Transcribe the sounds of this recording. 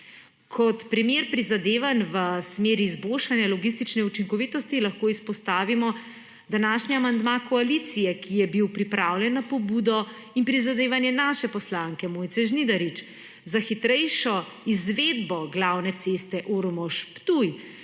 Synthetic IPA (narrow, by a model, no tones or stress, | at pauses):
kʰɔt̪pɾɛmjeɾpɾizad̪eːʋanʋəsmeːɾiːzbolʃanjalɔɡis̬t̪it͡ʃnɛut͡ʃiŋkɔʋit̪ɔst̪ilaxkoːispɔst̪aːʋimɔ | d̪anaʃniamand̪makɔalit̪sijɛkʰijɛbiwpɾipɾaːwlʲjɛnːapɔbuːd̪ɔ | inpɾizad̪eːʋanjɛnaːʃɛpɔslaŋkɛmoːjt̪sɛʒnid̪aɾit͡ʃ | zaxit̪ɾɛjʃɔ | izʋed̪bɔɡlawnɛt̪sest̪ɛʔoɾmɔʃpt̪uj